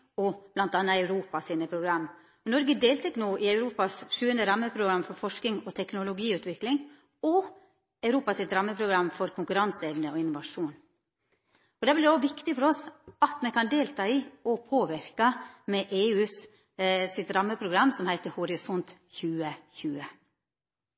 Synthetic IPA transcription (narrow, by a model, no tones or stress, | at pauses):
ɔb̥lɑnt̪ɑnːəɑʉɾuːpɑsiːnəpʰɾʊɡɾɑmː | ɔnɔɾɡəd̪eːlt̪ʊknuːʔɪɑʉɾuːpɑsʂʉːənd̪əɾɑmːəpʰɾʊɡɾɑmfɔɾfɔʂkɪŋɔt̪ʰɛknʊlʊɡiːʉːt̪ʋɪklɪŋ | ɔ | ɑʉɾuːpɑsɪt̪ɾɑmːəpʰɾʊɡɾɑmːfɔɾkʰʊŋkʉɾɑnsɛʋnəɔɪnːʊʋɑʂuːn | ɔd̪ɛblɪɾd̪oʋɪkt̪ɪfɔɾɔsɑt̪mɛkʰɑnd̪eːlt̪ʰɑːiːɔpʰoːʋɪɾkɑmɛʔeːʉːs | sɪt̪ɾɑmːəpʰɾʊɡɾɑmːsɔmhæɪt̪əhɔɾɪsɔnt̪çʉːəçʉːə